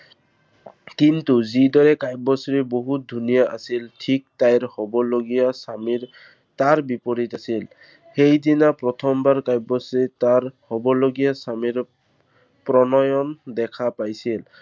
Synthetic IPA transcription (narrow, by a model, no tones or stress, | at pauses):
kintuzidɔɹɛkajbɔsɹɛboɦut̚dʱunijaʔasiltʰik̚tajɹhɔbɔloɡijasamiɹ | taɹbipɔɹitasil | xejdinapɹɔtʰɔmbaɹkajbɔsɹɛtaɹhɔbɔloɡijasamiɹ | pɹɔnɔjɔndɛkʰapajsil